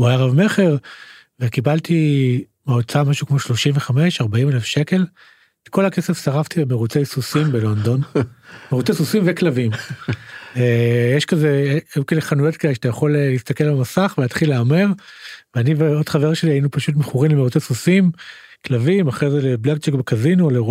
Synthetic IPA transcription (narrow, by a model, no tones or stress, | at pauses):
ajaʁavme̞χe̞ʁ | vekibalt̪i | maot͡samaʃukmo̞ʃlo̞ʃimveχame̞ʃaʁbaimelefʃe̞ke̞l | eko̞lakesefsaʁaft̪ibemeʁut͡sejsusimbelo̞nd̪o̞nmeʁut͡sesusimveklavim | ejeʃkazeekaleχanujo̞t̚kaleʃat̪ajaχo̞lelist̪akelalamasaχveat̪χileameʁveaniveo̞d̥χaveʁʃeliajinupaʃut̬meχuʁimlemeut͡sesusim | klavimaχʁejzeleblak̚t͡ʃekbekazinule